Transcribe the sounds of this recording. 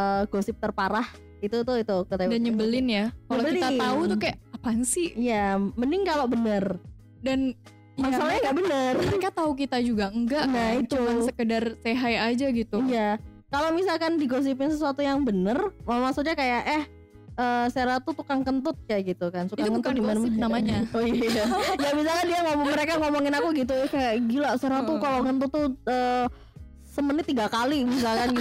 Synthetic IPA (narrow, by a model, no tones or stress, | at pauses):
əɡosɪp̚t̪ərpaɾah | it̪ut̪ʊit̪ukət̪adanɲəbəlɪnjakalokɾiat̪aut̪ukajaʔapansiijamənɪŋkalobənər | dan | masalaɲaŋɡabənərəɾikat̪auk̬it̪ad͡ʒuɡaŋɡaʔnait̪uansəkədarseɦajad͡ʒaɡit̪uija | kalomisalkandiɡos̬ipɪnsəsuat̪ujaŋbənərmamasuk̚ɲakajaʔah | ʔəːseɾat̪ut̪ukaŋkənt̪ʊt̪̚t͡ʃaɡit̪ukansukaŋŋkənʊdimananamaɲaojaɡamisalkandiaŋomməɾekaŋomoŋɪnakuɡit̪̬uɛhkajaɡilaseɾat̪ukalokənt̪ʊt̪ːuəː | səmənɪt̪ːiɡakalimis̬alkan